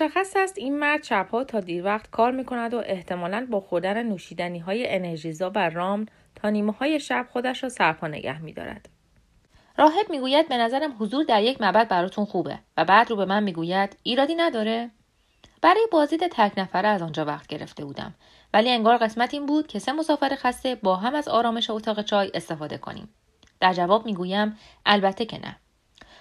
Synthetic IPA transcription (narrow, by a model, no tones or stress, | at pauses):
moʃæxːæsæst̪iːnmæɾd̪̥ʃæbhɒːt̪ʰɒːd̪iːɾvæχt̪kʰɒːɾmiːkʰo̞næd̪o̞ʔe̞ht̪ʰe̞mɒːlænbɒːxo̞ɾd̪ænenuːʃiːd̪æniːɦɒːje̞ʔeneɾʒizɒːværɒːmn | t̪ʰɒːniːmehɒːje̞ʃæb̥̚xo̞d̪æʃɾɒːsæɾpʰɒːne̞̰ɟæ̰hmḭːd̪ɒ̰ːɾæ̰d̪̥ | rɒːɦe̞b̚miːɡuːjæd̪̚be̞næzæɾæmɦozuːɾd̪æɾje̞cʰmæbæd̪̚bæɾɒːt̪ʰunxuːbe̞̰væbæːd̪ɾuːbe̞mænmiːɡuːjæd̪̥iːɾɒːd̪iːnæd̪ɒːɾe | b̥æɾɒːjebɒːzd̪iːd̪e̞t̪ʰæɾcʰnæfæɾeæzɒnd͡ʒɒːvæχt̪̚ʰɟe̞ɾe̞̰ft̪e̞buːd̪æ̰m | væliːe̞ŋɡɒːɾɣe̞smæt̪ʰiːnbuːd̪̥cʰe̞se̞mo̞sɒːfeɾexæst̪e̞bɒːɦæmæzɒːɾɒːme̞ʃe̞ot̪ʰɒːɣe̞t͡ʃʰɒːje̞st̪e̞fɒːd̪e̞̰kʰo̞̰nḭːm | d̪̥æɾd͡ʒævɒːbmiːɡuːjæm | ʔælbæt̪ʰːe̞cʰe̞̰nʔæ̰